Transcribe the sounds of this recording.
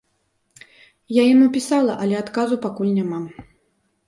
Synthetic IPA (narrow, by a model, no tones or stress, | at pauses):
jajinupʲisalˠɐʔɐlʲɛat̪kazupakulʲnʲamam